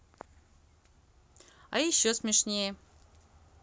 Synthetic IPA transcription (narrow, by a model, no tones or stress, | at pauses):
a̰iɕːosmʲeʂnʲejə